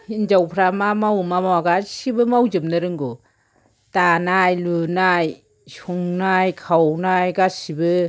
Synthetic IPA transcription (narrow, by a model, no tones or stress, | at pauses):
ind͡ʒawpʰɾamamawmamawaɡasibɯmawd͡ʒɯm̚naɾɯŋɡu | t̪anajlunaj | sʰuŋnajkʰawnajɡasibɯ